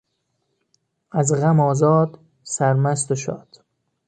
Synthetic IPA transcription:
æzɣæmɒːzɒːd̪ | sæɾmæst̪oʃɒ̰ːd̪̥

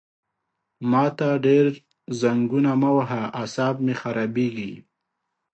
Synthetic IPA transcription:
mɑt̪aɖeɾ | zaŋɡunamawaɦaasɑbmexaɾɑbeɡi

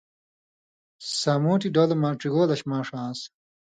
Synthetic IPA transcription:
sɐmoːʈiɖoːlɐmaːʈɾiɡoːlɐɕmãːʂãːs

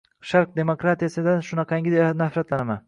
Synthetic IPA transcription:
ʃaɾq̚d̪e̞mokɾat̪ijasɪd̪aʃʊnɑqʰɑjŋʲɪd̪enafɾat̪lanama̰n

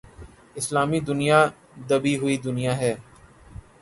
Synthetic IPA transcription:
ɪslaːmid̪ʊnija | d̪ɐbiɦʊid̪ʊnijaːɦɛː

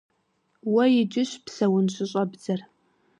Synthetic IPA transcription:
wɐjɪd͡ʒʼɪɕpsɐwʊnɕʷɪɕʼɐbd͡zɐr

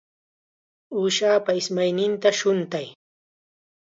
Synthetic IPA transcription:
uːʃaːpaɪsmajnɪnt̪aʃʊnt̪aj

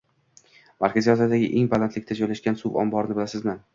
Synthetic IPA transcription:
maɾkʰʲazijɒzad̪aɡʲɪʔeŋbalant̪ʰlɪk̚ʲt̪ad͡ʒɒjlaʃkʲansubɒ̰mbɒɾɪnɪbɪlasɪzman

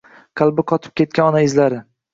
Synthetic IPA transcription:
qʰɑlˠbɪqʰɒt̪ʰɪ̥p̚kʲʰe̞t̪̚kʲanɒnaɪzlaɾɪ

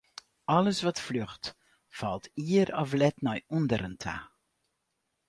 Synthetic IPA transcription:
ʔɔləsvɔtfløxt | fɑlˠtʰiərɔflɛtnɔjundəɾəntʰa̰

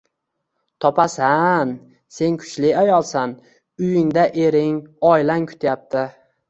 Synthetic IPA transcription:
t̪ʰɒpʰasan | se̞nkʰʊ̥t͡ʃlɪajɒlˠsan | ʊjɪŋd̪aʔe̞ɾɪŋɒjlaŋkʰʊ̥t̪ʰjap̚t̪ʰɪ

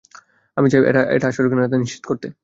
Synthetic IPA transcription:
amit͡ɕabiʔḛʈaḛʈaaʃoɾkinet̪̬aniʃt͡ɕʰit̪okoɾt̪e

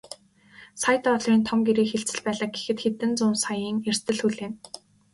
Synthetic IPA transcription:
sajt̪ɔɮriːnt̪ʰɔŋɡeɾeːkxeɬt͡sɘ̆ɮpæːɮə̆k̚ɡe̥xɘ̆t̪xet̪ɘ̆nt͡sʊmsajiːŋer̥st̪ʰɘ̆ɮxuɮeːn

